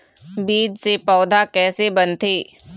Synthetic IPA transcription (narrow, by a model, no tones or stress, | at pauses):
biːd͡ʒsepɔːd̪ʱakɛːsebɐnt̪eː